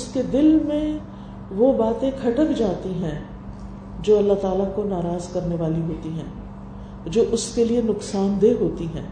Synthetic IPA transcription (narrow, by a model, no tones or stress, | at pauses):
ʊsked̪ɪlmẽ | ʋobaːt̪ẽkʰɐʈəkd͡ʒaːt̪iɦɛ̃ː | d͡ʒoːɐlːat̪aːlakonaːɾaːzkɐɾneʋaːliɦoːt̪iɦɛ̃ː | d͡ʒoːʔʊskelienʊqsaːnd̪eːɦoːt̪iɦɛ̰̃ː